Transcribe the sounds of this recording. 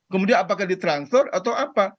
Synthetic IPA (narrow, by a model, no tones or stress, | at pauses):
kəmudianapakahdit̪ɾansɔrat̪awʔapa